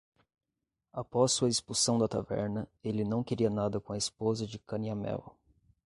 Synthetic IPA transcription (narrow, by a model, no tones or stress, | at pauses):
apɔsːuɐɪspusɐ̃w̃d̪ɐt̪avɛ̰ɾnɐelɪnɐ̃w̃keɾiɐnad̪ɐkõɐespozɐd͡ʒɪkɐniɐmɛ̰w